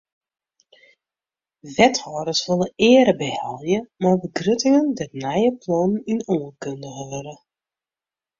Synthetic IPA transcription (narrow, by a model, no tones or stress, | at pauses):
ʋɛthɔːɾəsʋøləɪəɾəbəhɛlˠjəmarbəɡrøtɪŋəndɛtnɛjəplɔnəninoənkøndəɣəʋøɾə